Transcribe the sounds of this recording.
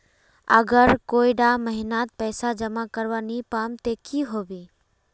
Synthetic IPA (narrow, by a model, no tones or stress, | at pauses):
əɡəɾkoːiɖaməɦɪnaːt̪̚pɛːsad͡ʒəmakəɾʋanipaːmt̪ekiɦoːbiː